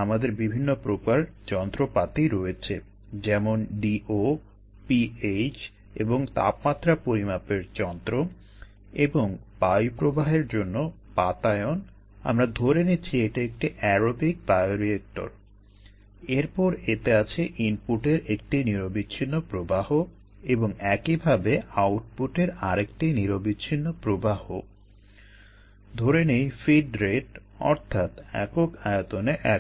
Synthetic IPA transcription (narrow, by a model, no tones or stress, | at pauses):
amad̪eɾbibʱinːopɾokaɾd͡ʑɔnt̪ɾopat̪iɾoet͡ɕʰe | d͡ʑɛmonɖiʔo | piet͡ɕ | ḛboŋt̪a̰pmat̪ːɾapoɾimapeɾd͡ʑɔnt̪ɾo | eboŋpajpɾobaɦeɾd͡ʑonːo | pat̪aeon | a̰mɾad̪ʱoɾenit͡ɕʰieʈiek̚ʈiʔɛɾobik̚t̪ajoɾiek̚ʈo̰ɾ | eɾpɔɾet̪eat͡ɕʰeʔinpuʈeɾek̚ʈiniɾobiːɕʰinːopɾobaho | eboŋɛkibʱabeawʈ̚puʈeɾaɾekʈiniɾobiːɕʰinːopɾobaho̰ | d̪ʱoɾenejfiɖɾeʈ | ɔ̰ɾt̪ʰat̪ɛ̰kokaeot̪oneʔɛ